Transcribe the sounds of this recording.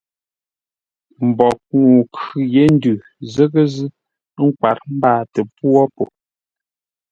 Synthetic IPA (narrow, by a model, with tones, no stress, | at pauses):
m̩˨bɔ˨ku˨kʉ˨je˨˦n˦dʉ˨ | zə˦ɣə˦zɨ˦ | ŋ̩˦kwa̰˨ɾm̩˦baː˦˨te˨pwɔ˦po˨